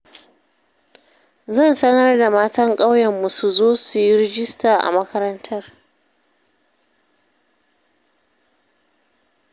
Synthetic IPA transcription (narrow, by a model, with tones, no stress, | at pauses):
zɐ˦˨nsɐ˦nɐ˦rda˨maː˦tɐ˦ŋkʼa˦wjɛ˨mːu˨su˨zoː˦su˨ji˦ɾɪ˦d͡ʒɪ˦staː˨ʔa̰˨mɐ˦kɐ˦ɾɐ˦ntʰɐ˦r